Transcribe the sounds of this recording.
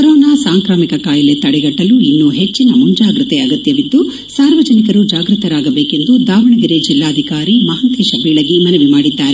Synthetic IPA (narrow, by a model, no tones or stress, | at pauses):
kɐɾɔːnaːsaːŋkɾaːmikɐkaːjɐlet̪ɐɽɛɡɐʈːɐluinːuɦe̞t͡ʃːinɐmuɲd͡ʒaːɡɾɐt̪eɐɡɐt̪jɐʋid̪ːu | saːɾʋɐd͡ʒɐnikɐɾud͡ʒaːɡɾɨt̪ɐɾaːɡɐbeːke̞nd̪ud̪aːʋɐɳɐɡiɾed͡ʒilːaːɐd̪ʱikaːɾimɐɦɐnt̪iʃɐbiːɭɐɡimɐnɐʋimaːɽid̪ːaːɾe